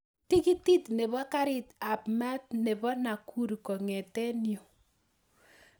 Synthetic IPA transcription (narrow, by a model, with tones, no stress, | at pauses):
ti˦ki˦ti˦tne˨βɔ˦ka˦ɾɪ˦ta˨pma˦t̚ne˨bɔ˦na˨kʰu˦ɾkɔ˨ŋɛ˨tɛ˦njo˨